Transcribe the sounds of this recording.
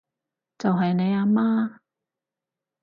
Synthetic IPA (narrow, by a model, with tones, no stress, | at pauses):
t͡sɐ˨wɦɐ˨jne˨˧jaː˧maː˥